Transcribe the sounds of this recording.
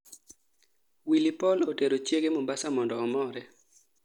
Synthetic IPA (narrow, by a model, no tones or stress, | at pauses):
wilipɔloteɾot͡ʃjeɡemombasamɔndɔːmɔɾɛ